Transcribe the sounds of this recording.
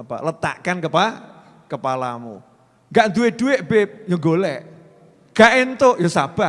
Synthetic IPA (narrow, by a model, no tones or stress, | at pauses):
apa̰lət̪a̰ʔkankəpa | kəpala̰mṵ | ŋɡaʔnd̪uwɪʔd̥uwɪʔ̚bejoŋɡolɛʔ | ɡ̥aʔɪnt̪oʔjɔsab̥a